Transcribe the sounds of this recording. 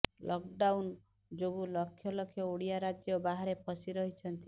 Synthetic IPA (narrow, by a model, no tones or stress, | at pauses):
lʔɔkɖawn | d͡ʒoɡulɔkʰːjɔlɔkʰjɔoɽijaɾad͡ʒjɔbaɦaɾepʰɔsiɾɔɦit͡ʃʰɔnt̪i